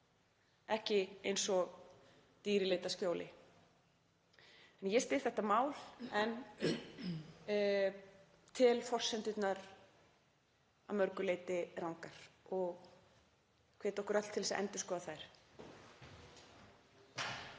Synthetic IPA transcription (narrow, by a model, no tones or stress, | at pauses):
ɛhcɪejnsɔɣ | t̪iːɾɪleːjt̪ascjoːwlɪ | ɛnjɛst̪ɪ̥θɛht̪amaːwlɛn | t̪ʰɪlfɔr̥sɛnt̪ʏt̪naɾ | a̰mœɾkʏleːjt̪ɪɾawŋkaɾ̥ɔɣ | kʰɛːt̪ɔhkʏɾœt̪l̥t̪ʰɪlðɛsa̰ɛ̰nt̪ʏskɔːðaθajɾ̥